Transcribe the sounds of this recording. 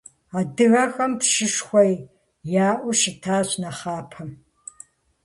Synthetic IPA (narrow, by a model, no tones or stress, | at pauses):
aːdɨɣɐxɐmpʃɪʂxʷɔj | jaːʔʷʊʃɪtʰaːɕnɐχaːpʰɐm